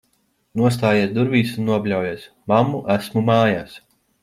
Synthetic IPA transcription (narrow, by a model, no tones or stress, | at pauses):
nuɔst̪aːjeɛt̪d̪uɾviːsunːuɔbʲlʲawjeːs | mamːuʔæsmumaːjaːs